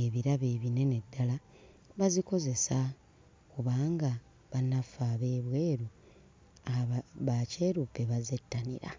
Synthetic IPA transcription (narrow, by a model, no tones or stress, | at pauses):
eβiɾaβe̞ːβine̞ne̞dːalaβaziko̞ze̞sa | kuβaːŋɡa | βanːafaːβe̞ːβwe̞ːɾu | aββace̞ːɾupeβazetːanḭɾa̰